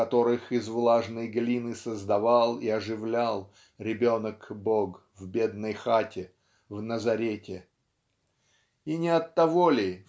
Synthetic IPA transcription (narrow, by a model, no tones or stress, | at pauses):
ɐt̪o̞ɾɨxɪzvlˠaʐnəjɡlʲinɨsəzd̪ɐvalˠiɐʐɨvlʲalˠ | ɾʲɪbʲo̞nəkboɡ | vbʲe̞d̪̚nəjxatʲɪ | vnəzɐɾʲetʲɪ | inʲɪɐt̪ːɐvolʲɪ